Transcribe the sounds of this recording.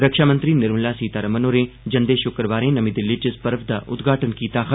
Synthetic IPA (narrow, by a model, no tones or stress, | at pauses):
ɾəkʃaːmə̃nt̪ɾinɪɾmlaːsiːt̪aːɾəmənoːɾẽ | d͡ʒɐnd̪eːʃʊkɾəʋaːɾẽnɐmid̪ɪlːiʈɪspɐɾəfd̪aːʔʊd̪ɡʱaːʈənkiːt̪aːxə